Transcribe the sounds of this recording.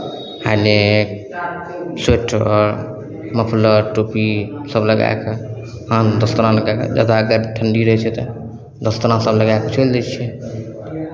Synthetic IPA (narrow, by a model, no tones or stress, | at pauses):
halek | seʈʰɔ̰ɾ | məpʰləʈopisəbləɡa̰eke | ɦãd̪əst̪əɾãləɡajkḛd͡ʒa̰ːd̪aəɡəɾʈʰəɳɖiɾəɦɛt͡ʃʰɛt̪ɔ | d̪əst̪əɾãsəbləɡakət͡ʃʰəld̪ɛt͡ʃʰɛ